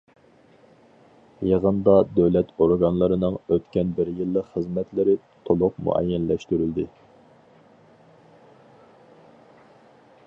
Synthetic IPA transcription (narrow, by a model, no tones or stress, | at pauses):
jɑʁənd̪ɑd̪ɛwlɛt̪oɾɡɑnlˠɨɾɨnɨŋøt̪kʲɛnbɪɾjɨlˠːəqχəzmɛt̪lɪɾɪ | t̪ʰolˠʊqmṵɛ̰jːɛnlɛʃt̪yɾyld̪ɪ